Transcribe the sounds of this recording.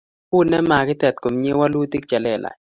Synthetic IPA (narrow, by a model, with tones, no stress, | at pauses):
pʊ˦nɛ˦ma˨ɡɪ˦t̪ɛ˨t̪̚ko˨mɲe˦wa˦lwu˦t̪i˦k̚t͡ʃa˨lɛ˨lʔa̰˨